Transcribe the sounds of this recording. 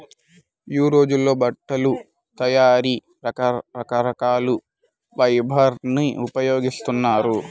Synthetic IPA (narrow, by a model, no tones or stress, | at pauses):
juːɾo̞ːd͡ʒulːo̞ːbɐʈːɐlu | t̪ɐjaːɾi | ɾɐkɐkɐɾɐkaːlu | ʋɐjbʱɐɾniupɐjo̞ːɡist̪unːaːɾu